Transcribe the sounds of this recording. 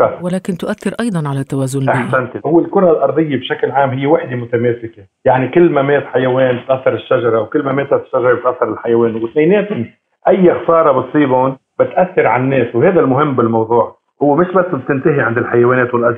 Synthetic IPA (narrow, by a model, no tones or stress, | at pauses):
awaleːkɪnt̪ʊʔaθːɪɾʔɑjd̪ˤɑnʕalat̪ːawaːzʊnʔaħsant̪ihʊwːɪlkʊɾˤɑlʔɑɾˤd̪ˤɨjːebʃaklʕaːmɦɪjːewaħd̪emʊt̪ameːsɪke | jaʕnikɪlːmameːt̪ħajaweːnbɪt̪ʔaθːɑɾˤɪʃːaʒɑɾˤɑwkɪlːmameːt̪haɪ̥ʃːaʒɑɾɑbɪt̪ʔaθːɑɾˤɪlħajaweːnwɪt̪meːneːt̪ɪn | ʔajːaxsɑːɾˤɑbɨt̪sˤiːbʊn | bɪt̪ʔaθːɪɾʕanːeːswheːd̪almʊɦɪmːbɪlmɑwðˤuːʕ | hʊwːemɪʃbasːb̚t̪ɪnt̪aɦiʕɪnd̪ɪlħajaweːneːt̪wɪlʔaz